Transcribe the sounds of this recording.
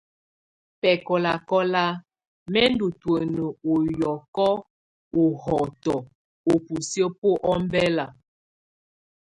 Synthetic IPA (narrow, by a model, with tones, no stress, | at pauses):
pɛ˨kɔ˨la˨kɔ˦la˦ | mɛ˦n˦du˨twə˨nə˨o˨jɔ˨kɔ˦ | o˨hɔ˨tɔ˨ | o˨pu˨sjo˦po˦ʔɔ˦m˦bɛ˦la˨